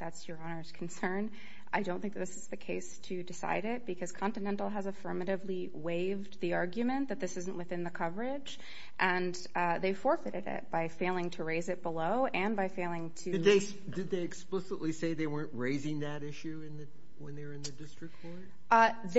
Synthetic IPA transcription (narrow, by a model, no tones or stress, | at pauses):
ðætsjə˞ɑnə˞z̥kʰn̩sɜ̃˞n | ʔaɪdõnθɪ̃ŋk̚ðɪsɨzðɨkʰeɪstʰɨdɨsa̰ɪɾɪt̚b̥ɨkʰʌz̥kʰɑ̃ntɨnɛ̃ntˡl̩ˠəzəfɜ˞mɨɾɨvli | weɪvðiɑɹɡjɨmɨ̃nðɨt̪̚ðɪsɪz̃n̩ʔwɨθɪ̃nðɨkʰʌvə˞ɪd͡ʒ | ʔɨ̃n | ðeɪfɔɹfɨɾɨɾɪ̰t̚b̥aɪfeɪlˠɪ̃ŋtʰɨɹeɪzɨt̚b̥əloʊʔɨ̃nbaɪfeɪlˠɪ̃ŋtʰɨɨðeɪs | d̥ɨd̪̚ðeɪɨksplɪsəʔˡliseɪðeɪwɜ̃˞nʔɹeɪzɪ̃ŋðɨɾɪʃʉɪ̃nðɨ | wə̃nðəə˞ɨ̃nðɨdɪstɹ̥ɨk̚t̚ʰɔɹ | ð